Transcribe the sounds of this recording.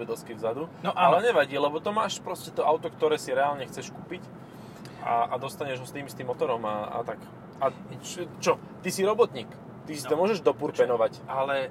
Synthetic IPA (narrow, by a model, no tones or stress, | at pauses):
ɛd̪ɛlskivzad̪unɔʔalɛɲɛʋaɟiːlɛbɔt̪ɔmaːʃpɾɔscɛt̪ɔʔaʊt̪ɔkt̪ɔɾɛːsiɾɛaːlɲɛxt͡sɛʃkuːpic | ʔa̰ʔad̪ɔst̪aɲɛʒɦɔst̪iːmist̪imːɔt̪ɔɾɔmaa̰t̪ak | a | t͡ʃɔ | t̪isiɾɔbɔt̪ɲiːk | t̪isit̪ɔmʊɔʒɛʒd̪ɔpuɾpɛnɔʋacʔalɛ